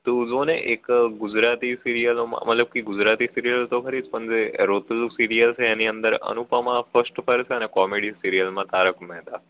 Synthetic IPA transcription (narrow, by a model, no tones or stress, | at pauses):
t̪od͡ʒoneʔekɡud͡ʒɾat̪isiɾijəlomã̰mət̪ləb̚kiɡʊd͡ʒɾat̪isiɾijəlot̪okʰəɾid͡ʒpəɳd͡ʒeɾot̪əlsiɾijəlt͡ʃʰeeniənd̪əɾə̰nupamãfʰəsʈpəɾt͡ʃʰeənekɔmeɽisiɾijəlmãt̪aɾəkmɛt̪a